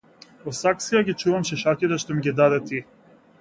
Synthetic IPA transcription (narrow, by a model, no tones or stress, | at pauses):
vɔsaksijaɡʲit͡ʃuvamʃɛʃacit̪ɛʃt̪ɔmiɡʲid̪ad̪ɛt̪i